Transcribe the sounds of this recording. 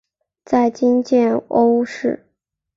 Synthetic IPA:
t͡sa˥˩ɪt͡ɕi˥nt͡ɕjɛ˥˩no˥ʊʂɻ̩˥˩

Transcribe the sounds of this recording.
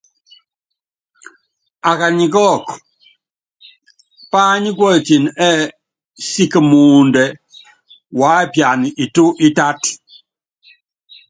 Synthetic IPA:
a˨ka˨ɲi˨kɔ˦˨k | pa˦ɲi˦kwɔ˦e˨t͡ʃi˨nɛ˦ | si˦kə˨mu˨ndɛ˨ | wa˦pja˨ni˨i˨tu˦ʔi˦ta˦t

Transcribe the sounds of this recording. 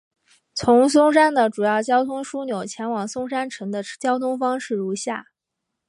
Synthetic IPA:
t͡sʰʊ˧˥ŋs̬ʊ˥ŋʂa˥nd̪ə˨˩ʈ͡ʂu˨˩jɑ˥˩ʊt͡ɕjɑ˥ʊt̪ʰʊ˥ŋʂu˥njo˨˩ʊt͡ɕʰjɛ˧˥nwɑ˨˩ŋsʊ˥˧ŋʂa˥nʈ͡ʂʰɤ˧˥ŋd̪ə˧t͡ɕjɑ˥ʊt̪ʰʊ˥ŋfɑ˥ŋʂɻ̩˥˩ɻu˧˥ɕja̰˥˩

